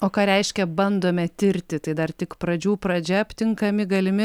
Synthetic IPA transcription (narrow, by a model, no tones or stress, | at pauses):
oːkɑːɾʲɛɪʃʲkʲɛbɐnd̪oːmʲɛt̪ʲɪɾʲt̪ʲɪt̪ɐɪd̪ɐrt̪ʲɪkpɾɐd͡ʒʲuːpɾɐd͡ʒʲɛɐpʲt̪ʲɪŋkɐmʲɪɡɐlʲɪmʲɪ